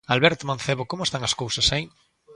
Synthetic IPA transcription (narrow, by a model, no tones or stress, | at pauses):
alβeɾt̪omãn̟θeβokomoest̪aŋaskowsasai